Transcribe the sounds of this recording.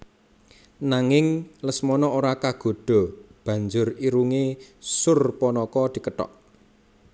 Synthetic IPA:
naŋɪŋləsmɔnɔoɾakaɡ̥o̤ɖ̪̥ɔ̤b̥ä̤ɲd͡ʒʊriɾuŋesʊrpɔnɔkɔd̪̥i̤kəʈɔ̰ʔ

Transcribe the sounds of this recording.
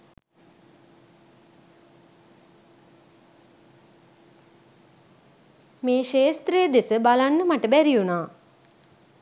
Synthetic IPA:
meːʃeːst̪ɾejəd̪esəbalanːəmaʈəbæɾijunaː

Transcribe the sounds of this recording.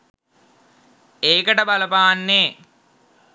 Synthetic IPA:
eːkəʈəbaləpaːanːeː

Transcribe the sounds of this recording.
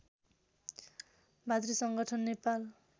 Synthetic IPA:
bʱad̪risʌŋɡʌʈʰʌnːepal

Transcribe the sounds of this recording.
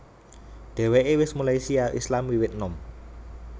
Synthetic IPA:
ɖ̪̥e̤weʔewɪsmalajsiaʔḭslamwiwɪt̪̚nɔm

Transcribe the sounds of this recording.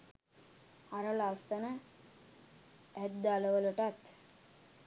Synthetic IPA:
aɾəlast̪ənə | æd̪d̪aːləʋələʈat̪

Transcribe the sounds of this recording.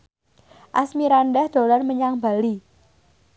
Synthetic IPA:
ʔasmiɾanɖɛhd̪̥o̤larməɲaŋba̤li

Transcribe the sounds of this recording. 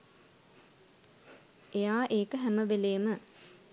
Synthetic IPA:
ejaːʔeːkəɦæməʋeleːmə

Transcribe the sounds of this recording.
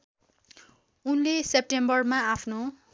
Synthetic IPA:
unlesep̚ʈembʌrmaapʰno

